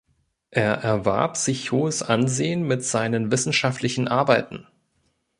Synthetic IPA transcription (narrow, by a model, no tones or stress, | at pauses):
ʔeːɐʔɛɐva̰ɐpz̥ɪçhoːəsʔanzeːənmɪtz̥aɪnənvɪsn̩ʃaftlɪçn̩ʔaɐbaɪtn̩